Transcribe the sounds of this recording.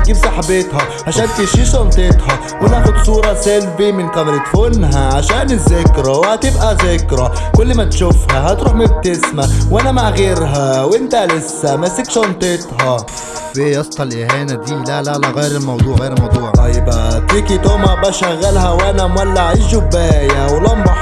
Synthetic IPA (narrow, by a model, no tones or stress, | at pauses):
ɡibsɑħbɪt̪hæ | ʕaʃaːnt̪iʃiːʃont̪ˤɪt̪hɑ | wɪlːaxʊd̪sˤuːɾˤɑsalbimɪnkæmɾɪt̪fʊnɦaʕaʃaːnɪzːakɾawhæt̪ɪbʔæzakɾˤakʊlːmat̪ʃʊfhaɦæt̪ɾuːħmɪb̚t̪ɪsmawʔanamaʕɣeːɾɦawʔɪnt̪alɪsːæmasikʃɑnt̪ˤɪt̪ɦɑ | fejɑsˤt̪ˤɑlʔɪhæːnad̪iːlællaɣajɾɪlmɑwd̪ˤuːʕɣːɾmɑwd̪ˤuːʕt̪ˤɑjːbat̪iːkit̪oːmæbæʃæɣːalɦæwʔanæmwalːaʕɪʒːʊbːaːjawlɑmbɑħ